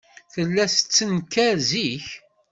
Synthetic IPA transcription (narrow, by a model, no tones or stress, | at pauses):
θəlːæsət͡sːənkːæɾziç